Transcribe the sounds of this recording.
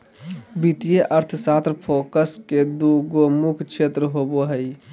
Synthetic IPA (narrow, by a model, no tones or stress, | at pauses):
bit̪ijeʔəɾt̪ʰsat̪ɾpʰokəsked̪uɡomukʰt͡ʃʰet̪ɾəɦoboɦəj